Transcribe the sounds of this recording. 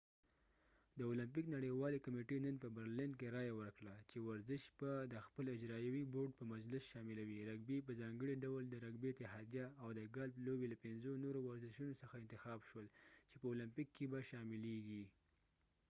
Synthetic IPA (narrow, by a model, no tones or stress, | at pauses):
d̪əolampiknaɽəjwɑlekameʈenənpəbəɾlɪnkeɾɑjawəɾkɽat͡ʃewaɾzɪʃbad̪əxpəlɪd͡ʒɾɑjawiboɾɖ̚pəmad͡ʒlɪsʃɑmɪlawiɾaɡbep̬əzɑŋɡəɽiɖawld̪əɾaɡbet̪ɪɦɑd̪ijaawd̪əɡalblobelapɪnzonoɾowaɾzɪʃunosəxaɪnt̪ɪxɑbʃwəlt͡ʃepəolampikʰːebaʃɑmɪleɡi